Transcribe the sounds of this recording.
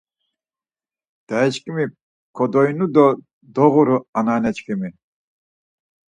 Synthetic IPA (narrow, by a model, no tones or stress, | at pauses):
d̪̥aɛt͡ʃkʼimi | kʰɔd̪ɔjnud̪ɔ | d̪ɔɣuɾuananɛt͡ʃkʰʼimi